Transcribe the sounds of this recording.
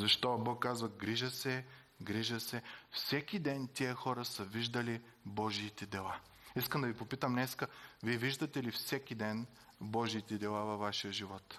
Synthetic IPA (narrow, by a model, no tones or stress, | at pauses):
zɐʃt̪ɔbɔkːazvɐɡɾiʒəsɛ | ɡɾiʒəsɛfsɛk̟id̪ɛnt̪ʲiəxɔɾəsəviʒd̪əli | bɔʒiːt̪ɛd̪ɛlˠa | iskəmd̪ɐvipopit̪əmnɛskəviɛviʒd̪ət̪ɛlifsɛkid̪ɛn | bɔʒiːt̪ɛd̪ɛlˠavɐvaʃijəʒivɔt̪